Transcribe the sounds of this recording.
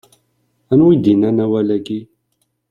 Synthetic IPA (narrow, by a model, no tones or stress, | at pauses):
ænwid̪inænæwælæki